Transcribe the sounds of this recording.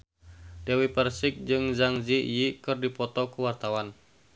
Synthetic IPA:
dɛwipɛrsɪk̚d͡ʒɨŋzaŋzijikɨrdipɔt̪ɔkuwart̪awan

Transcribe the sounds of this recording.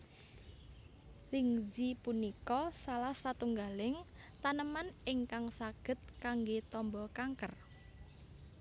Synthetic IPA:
liŋzipunikɔsalahsat̪uŋɡalɪŋ | t̪anəmanɪŋkaŋsaɡ̥ə̤t̪̚kaŋɡet̪ɔmbɔkaŋkər

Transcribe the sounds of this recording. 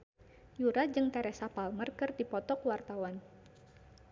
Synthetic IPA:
juɾad͡ʒɨŋt̪ɛɾɛsapalmərkɨrdipɔt̪ɔkwart̪awan

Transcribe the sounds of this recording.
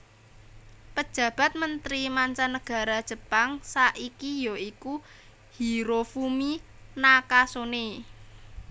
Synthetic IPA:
pəd̥ʒ̥ä̤b̥a̤t̪̚mənt̪ɾimaɲt͡ʃanːəɡ̥a̤ɾad̥ʒ̥ə̤paŋsaʔikijoiku | hiɾofumi | nakasone

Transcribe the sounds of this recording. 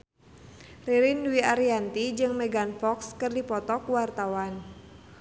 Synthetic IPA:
riɾinduwiaɾiant̪id͡ʒɨŋmɛɡanfɔkskɨrdipɔt̪ɔkuwart̪awan

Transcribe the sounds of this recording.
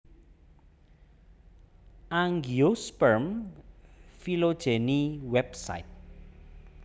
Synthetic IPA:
aŋɡiospəɾm | filod̥ʒ̥eniwɛbsa̰it̪̚

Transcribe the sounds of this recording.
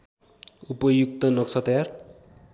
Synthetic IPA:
upʌjuk̚t̪ʌnʌksʰʌt̪ʌjar

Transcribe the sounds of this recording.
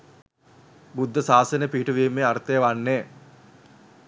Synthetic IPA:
bud̪ʱːəsaːsənepiɦiʈuʋiemːeart̪ejəʋanːeː

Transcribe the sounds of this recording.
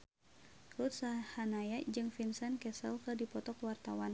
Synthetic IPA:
rut̪̚sahanajad͡ʒɨŋfinsənkɛsə̰lkɨrdipɔt̪ɔkwart̪awan

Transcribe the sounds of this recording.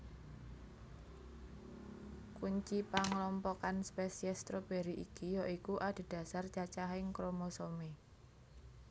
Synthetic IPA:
kuɲt͡ʃipaŋlɔmpɔkanspɛsiɛst̪ɾob̥eɾiʔḭkijɔʔikuʔad̪̥e̤d̥ä̤sart͡ʃat͡ʃaɦɪŋkɾomosome

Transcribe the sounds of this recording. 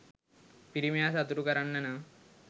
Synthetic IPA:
piɾimjaːsɐt̪uɾukɐɾaɳːɐnɐ

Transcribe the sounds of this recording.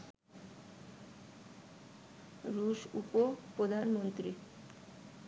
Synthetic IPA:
ɾuʃupopɾod̪ʱanmont̪ɾi

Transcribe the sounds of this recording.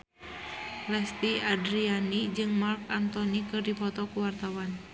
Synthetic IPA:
lɛst̪iadɾianid͡ʒɨŋmarkant̪ɔnikɨrdipɔt̪ɔkuwart̪awan

